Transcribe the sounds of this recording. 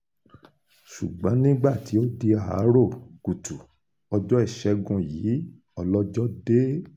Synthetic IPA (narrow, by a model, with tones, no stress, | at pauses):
ʃṵ˨ɡ͡bɔ̃˨˦nĩ˦ɡ͡ba˦˨ti˨˦o˦di˧a˨a̰˨˦ɾo˦˨ɡu˨tu˨ | ɔ˧d͡ʒɔ˦ɛ˦˨ʃɛ˧˦ɡũ˧jiː˨˦ | ɔ˧lɔ˦d͡ʒɔ˦de˦